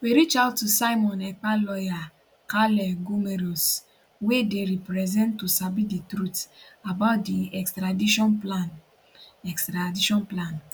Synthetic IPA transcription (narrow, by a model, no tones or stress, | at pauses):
weɾit͡ʃatusaɪmɔ̃nɛk͡palɔja | kalɛɡomeɾos | wedeɾipɾɛzɛ̃ntːusabiditɾutabaʊt̚diɛkstɾadiʃɔ̃nplan | ɛkstɾadiʃɔ̃nplãn